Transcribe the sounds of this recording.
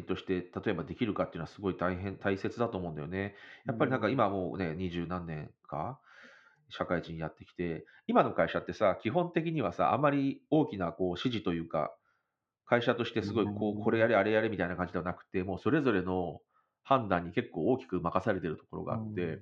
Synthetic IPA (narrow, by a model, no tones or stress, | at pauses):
nt̪o̞ɕi̥t̪e̞t̪at̪o̞e̞bad̪e̞kʲiɾɯ̟kat̪ːeiɯ̟noasɨɡo̞it̪aiɦẽ̞nt̪aise̞t͡sɨd̪at̪o̞ːmo̞ɯ̃nd̪ajone̞japːaɾʲinãŋkaimamo̞̰ːne̞ɲ̟iʑɨːnãnːẽ̞ŋkʰa̰ | ɕakaiʑĩɲjat̪ːe̞̥kʲi̥t̪e̞ | imano̞kaiɕat̪ːe̞sakʲiɦõ̞nt̪e̞k̬ʲiɲ̟iβasa̰ʔa̰mːaɾʲio̞ːkʲinako̞ːɕiʑit̪o̞jɯ̟ːka̰ | kaiɕat̪o̞ɕi̥t̪esɨɡo̞iko̞ːkʰo̞ɾe̞jaɾeaɾe̞jaɾemʲit̪ainakãɲd͡ʑid̪eanakɯ̟̥t̪e̞mo̞ːso̞ɾe̞zo̞ɾe̞no̞ | hãnd̪ãɲ̟ːike̞kːo̞ːoːkʲi̥kɯ̟makasaɾe̞t̪e̞ɾɯ̟t̪oko̞ɾo̞̰ɡa̰a̰t̪ːe̞